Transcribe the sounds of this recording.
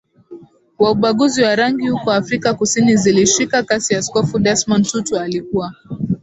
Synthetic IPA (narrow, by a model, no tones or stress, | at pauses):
wauɓaɠuziwaɾaŋɡihukɔafɾikakusiniziliʃikakasiaskɔfuɗɛsmɔntutualikuwa